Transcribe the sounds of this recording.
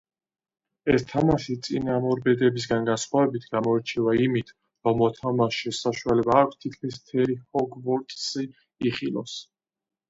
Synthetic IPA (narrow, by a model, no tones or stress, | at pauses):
ɛst̪ʰamaʃit̪sʼinamɔɾbɛd̪ɛbis̬ɡanɡansχwavɛbit̪ʰɡamɔɛɾt͡ʃʰivaimit̪ʰ | ɾɔmɔt̪ʰamaʃisaʃualɛbaːkʰʷt̪ʰit̪̚ʰkʰmis̬mt̪ʰɛɾihɔɡvɔɾt̪ʼsi | iχilˠɔ̰s